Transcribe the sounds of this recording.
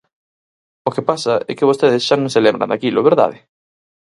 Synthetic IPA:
okɪpasɐɛkɪβost̪eðɪsʃanõŋselẽmbɾɐ̰̃nd̪akilʊβeɾða̰ðɪ

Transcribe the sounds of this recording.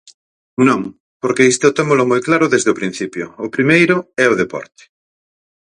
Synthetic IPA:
nõŋ | poɾkeist̪eʊt̪emolʊmojklaɾʊðezðeʊpɾin̟θipjʊːpɾimejɾʊɛʊðepɔ̰ɾt̪e̥

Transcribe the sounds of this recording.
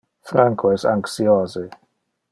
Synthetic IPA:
fɾaŋkʰoɛsa̰ŋksioːzi

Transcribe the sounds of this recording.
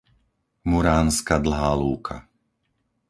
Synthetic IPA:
muɾaːnskad̪l̩ɦaːluːkʰa̰

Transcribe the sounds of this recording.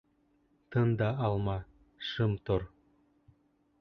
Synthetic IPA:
t̪ɤnd̪ɑːlˠmɑ | ʃɯmt̪oɾ

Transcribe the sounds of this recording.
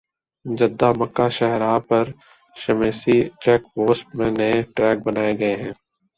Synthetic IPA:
d͡ʒɐd̪ːamɐkːaʃɛɦɾaːpɐɾ | ʃɐmeːsit͡ʃɛːkpoːsʈmẽnɐeʈɾɛːk̚bɐnaːeɡɐeɦɛ̃ː

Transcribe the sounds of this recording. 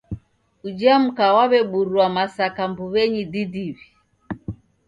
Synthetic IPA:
ud͡ʒam̩kawaβɛɓuɾuamasakambuβɛɲididiβi

